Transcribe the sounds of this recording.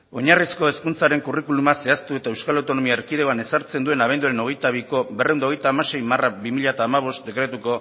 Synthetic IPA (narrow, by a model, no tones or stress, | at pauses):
o̞ɲarisko̞e̞skunt͡saɾe̞ŋkurikulumase̞ast̪ue̞t̪ae̞wskalawt̪o̞no̞miaeɾkiðeoane̞saɾt͡se̞nd̪ue̞naβ̞e̞nd̪uaɾe̞no̞ɣe̞jt̪aβ̞iko̞berewnd̪oɣe̞jt̪aːmase̞jmaraβimiʎat̪aːmaβ̞o̞st̪̚d̪e̞kɾe̞t̪uko̞